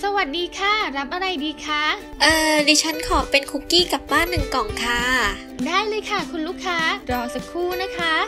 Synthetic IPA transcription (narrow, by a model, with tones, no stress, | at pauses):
sa˧wa˨˩t̪̚diː˧kʰa˥˩ɾa˦˥p̚ʔa˧ɾa˧jdiː˧kʰa˦˥ | ʔɤː˧diː˧˩t͡ɕʰa˦˥nkʰɔː˩˦pe˧nkʰu˦˥kiː˥˩ka˨˩p̚baː˥˩nːɯ˨˩ŋkɔː˨˩ŋkʰaː˦˧ | daː˥˩jlɤː˧jkʰa˥˩kʰu˧nluː˥˩kʰːaː˦˥ɾɔː˧sa˧kʰuː˥˩na˦˥kʰa˦˥